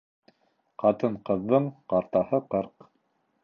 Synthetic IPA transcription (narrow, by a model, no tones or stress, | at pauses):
qɑt̪ɤɴqɤ̆ðːɤɴqɑɾt̪ɑhɤqɤɾq